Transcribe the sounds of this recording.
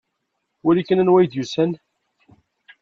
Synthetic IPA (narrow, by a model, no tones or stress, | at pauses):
ʊɾikːənənwæjd̪jusən